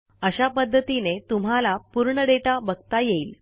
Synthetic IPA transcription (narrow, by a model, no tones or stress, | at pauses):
əɕapəd̪ʱːət̪inet̪um̤alapuɾɳəɖeʈabəɡ̚t̪ajeiːl